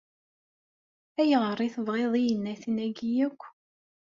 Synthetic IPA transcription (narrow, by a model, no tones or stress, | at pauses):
æjəʁəɾˤiθəvʁeðˤijənːæθənæɡijækʷː